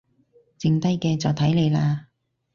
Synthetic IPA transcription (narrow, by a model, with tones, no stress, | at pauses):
t͡sɪ˨˧ŋt̪ɐ˥jkɛː˧t͡sɔː˨wt̪ʰɐ˨˥jle˨˧jlaː˧